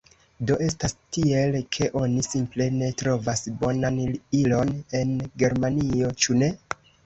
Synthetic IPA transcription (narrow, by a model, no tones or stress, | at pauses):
do̞ʔe̞stastie̞lkʰe̞ʔo̞nisimple̞ne̞tɾo̞vasbo̞nanilo̞ne̞nɡe̞ɾmanio̞t͡ʃune̞